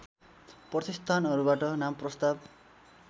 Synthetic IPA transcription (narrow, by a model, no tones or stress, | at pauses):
prʌt̪ist̪ʰanʌɾubaʈʌnamprʌst̪ab